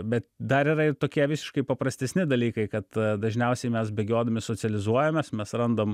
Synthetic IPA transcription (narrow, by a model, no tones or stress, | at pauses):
bʲɛt̪d̪ɐɾɪɾɐɪt̪oːkʲiɛʋʲɪsʲɪ̥ʃkɐɪpɐpɾɐsʲt̪ʲɛsʲnʲɪd̪ɐlʲiːkɐɪkɐt̪d̪ɐʒʲnʲɛʊsʲɛɪmʲɛsbʲɛɡʲoːd̪ɐmʲɪsoːt͡s̪ʲsʲɛlʲɪzuɔjɛmʲɛsmʲɛsrɐnd̪om